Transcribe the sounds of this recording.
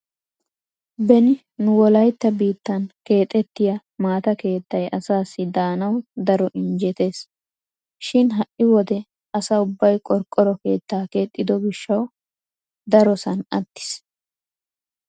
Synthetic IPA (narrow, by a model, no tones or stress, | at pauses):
bɛnɪ | nʊwɔlɐjt̪ːɐbiːt̪ːɐnke̞ːt̪ʼːɛt̪ːɪjɐ | maːt̪ɐke̞ːt̪ːɐjɐsaːsːɪd̪aːnɐwd̪ɐɾɔʔɪnd͡ʒɛt̪e̞ːs | ʃɪnɦɐʔɪwɔd̪ɛ | ɐsaʊbːɐjkʼɔɾkʼːɔɾɔke̞ːt̪ːaːke̞ːt̪ʼːɪd̪ɔɡɪʃːɐw | d̪ɐɾɔsɐnɐt̪ːɪ̥s